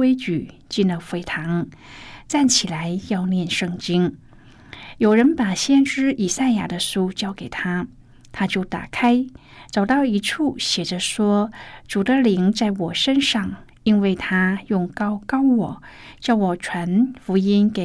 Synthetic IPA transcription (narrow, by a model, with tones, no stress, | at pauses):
we˥ɪt͡ɕy˨˩t͡ɕi˥˧nə˨˩fwe˧˥ɪt̪ʰɑ˧˥ŋ | t͡sa˥˩nt͡ɕʰi˨˩la˧˥ɪjɑ˥˧ʊnjɛ˥˧nʂɤ˥˧˩ŋt͡ɕi˥n | jo˨˩ʊɻə˧˥npa˨˩ɕjɛ˥nʈ͡ʂɻ̩˥i˨˩sa˥˩ɪja̰˨˩d̪ə˦ʂu˥t͡ɕjɑ˥˩ʊke˨˩ɪt̪ʰa˥ | t̪ʰa˥t͡ɕjo˥˩ʊt̪a̰˨˩kʰa˥ɪ | t͡sɑ˨˩ʊt̪ɑ˥˩ʊi˧˥ʈ͡ʂʰu˥˩ɕjɛ˨˩ʈ͡ʂə˦ʂwɔ˥ʈ͡ʂu˨˩d̪ə˦li˧˥ŋt͡sa˥˩ɪwɔ˨˩ʂə˥nʂɑ˥˩ŋ | i˥nwe˥˩ɪt̪ʰa˥jʊ˥˩ŋkɑ˥ʊkɑ˥ʊwɔ˨˩˦ | t͡ɕjɑ˥˩ʊwɔ˨˩ʈ͡ʂʰwa˧˥nfu˧˥i˥nke˨˩